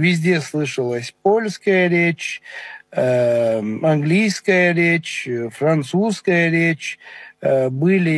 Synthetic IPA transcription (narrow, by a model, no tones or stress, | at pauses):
vʲɪzʲdʲe̞slˠɨʂəlˠəsʲpo̞lʲskəjəɾʲet͡ɕ | ɐnɡlʲijskəjəɾʲet͡ɕfɾant̪suskəjəɾʲet͡ɕ | bɨlʲɪ